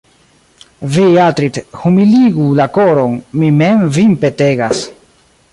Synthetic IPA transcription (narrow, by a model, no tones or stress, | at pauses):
viatɾithumiliɡulakoɾonmimemvinpete̞ɡas